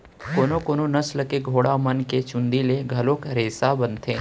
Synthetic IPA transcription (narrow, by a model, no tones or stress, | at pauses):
koːnokoːnonɐsləkeɡʱoːɽamɐnket͡ʃʊ̃nd̪ileɡʱɐlõːkɾeːsabənt̪ʰeː